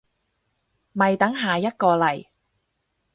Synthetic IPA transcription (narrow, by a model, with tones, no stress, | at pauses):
mɐ˨jt̪ɐ˨˥ŋɦaː˨jɐ˥t̚kɔː˧lɐ˨˩j